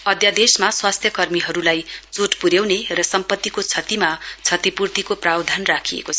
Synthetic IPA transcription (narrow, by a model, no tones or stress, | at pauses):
ʌd̪jad̪esmaswast̪ʰjʌkʌrmiɦʌɾulajt͡soʈpuɾjewnerʌsʌmpʌt̪ːikot͡sʰʌt̪imat͡sʰʌt̪ipurt̪ikoprawd̪ʱanrakʰijḛkot͡sʰ